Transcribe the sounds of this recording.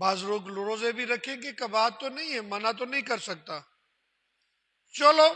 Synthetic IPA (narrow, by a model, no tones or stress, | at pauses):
baːzɾoːɡlʊɾoːzebʱiɾɐkʰẽkekɐbaːt̪ːonɐɦĩɦɛ̃mɐnat̪onɐɦĩkɐɾsɐɡ̚t̪aː | t͡ʃɐloː